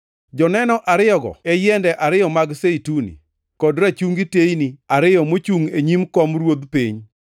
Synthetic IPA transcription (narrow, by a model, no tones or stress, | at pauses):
d͡ʒɔnɛnɔʔaɾɪjɔɡɔ̰ɛjɛndɛʔaɾɪjɔmaɡseitunḭ | kɔdɾat͡ʃuŋɡitejniaɾɪjɔmot͡ʃuŋeɲimkɔmɾwod̪piɲ